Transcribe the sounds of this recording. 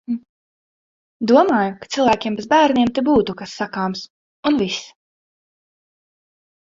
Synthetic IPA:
d̪uɔmaːjukḁt̪silˠvæːkʲiɛmbezbæːɾnʲiɛmt̪ɛbuːt̪ukasːakaːms | unvis

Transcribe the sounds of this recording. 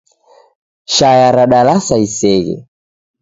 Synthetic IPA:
ʃajaɾaɗalasaisɛɣɛ̰

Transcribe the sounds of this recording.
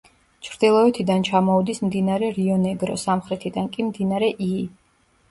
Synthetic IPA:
t͡ʃʰɾd̪̥ilˠɔɛt̪ʰid̪ant͡ʃʰamɔud̪ismd̪inaɾɛɾiɔnɛɡɾɔsamχɾɛt̪ʰid̪ankʼimd̪inaɾɛʔi

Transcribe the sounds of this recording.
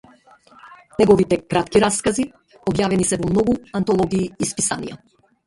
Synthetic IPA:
nɛɡɔvit̪ɛkɾat̪kiɾaskazi | ɔbjavɛnisɛvɔmnɔɡuant̪ɔlˠɔɡiːspisa̰nḭja̰

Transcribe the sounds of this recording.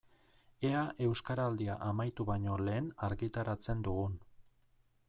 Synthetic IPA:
e̞aʔe̞wskaɾald̪iaʔamajt̪uβajɲo̞le̞ːnaɾɣit̪aɾat͡se̞nd̪uɣun

